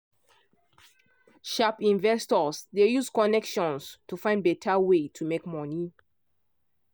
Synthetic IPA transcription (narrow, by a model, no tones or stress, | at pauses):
ʃapĩnvɛstɔsdejuskɔnɛkʃɔ̃nstufãɪ̃nbɛtʰawetʰumekmɔni